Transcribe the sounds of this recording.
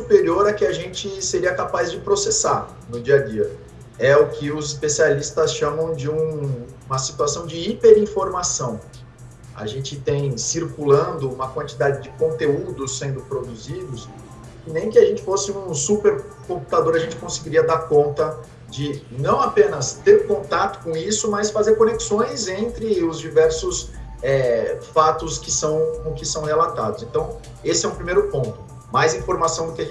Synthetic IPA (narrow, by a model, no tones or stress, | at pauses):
supeɾioɾɐkɪaʒẽnt͡ʃɪseɾiɐkapazd͡ʒɪpɾosesaɾ | nʊd͡ʒiɐd͡ʒiɐ | ɛʊkʰɪʊzɪspesialist̪ɐsʃɐ̃mɐ̃w̃d͡ʒɪũ | ũmɐsi̥t̪uasɐ̃w̃d͡ʒɪipeɾĩfoɾmasɐ̃w̃ | a̰ʒẽnt͡ʃɪt̪ẽj̃siɾkulɐ̃nd̪ʊũmɐkwɐ̃nt͡ʃid̪ad͡ʒɪd͡ʒɪkõnt̪eud̪ʊsːẽnd̪ʊpɾod̪uzid̪ʊs | ɪnẽj̃kɪaʒẽnt͡ʃɪ̥fosɪũsupeɾ | kõpu̥t̪ad̪oɾɐʒẽnt͡ʃɪ̥kõsɪɡiɾiɐd̪aɾkõnt̪ɐ | d͡ʒɪnɐ̃w̃apẽnɐst̪eɾkõt̪at̪ʊ̥kõisʊmɐsfazeɾkoneksõj̃zẽnt̪ɾɪʊzd͡ʒivɛɾsʊs | ɛfat̪ʊskɪsɐ̃w̃kõkɪsɐ̃w̃helat̪ad̪ʊsẽnt̪ɐ̃w̃ | esɪɛuʊpɾimejɾʊpõnt̪ʊ̥ | majzĩfoɾmasɐ̃w̃d̪ʊkɪɐ̃